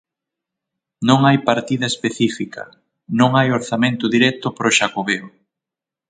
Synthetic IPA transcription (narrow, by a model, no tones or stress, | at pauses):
nõŋajpaɾt̪iðɐespeθifikʰɐ̰ | nõŋajoɾθamẽnt̪ʊðiɾɛt̪ʊpɾoʃakoβeo